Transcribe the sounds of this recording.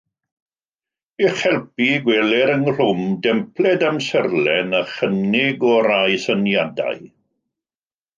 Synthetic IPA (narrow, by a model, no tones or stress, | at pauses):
iχɛlˠpiɡwɛːlɛɾənr̥ʊmdɛmpʰlɛdamsərlɛnəχənɪɡɔɾajsənjada̰j